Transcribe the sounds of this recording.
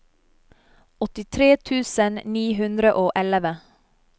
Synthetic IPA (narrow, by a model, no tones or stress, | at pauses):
ɔt̪ɪt̪ʰɾeːt̪ʰʉːsənniːɦʉnd̪ɾəʔoːʔɛləʋə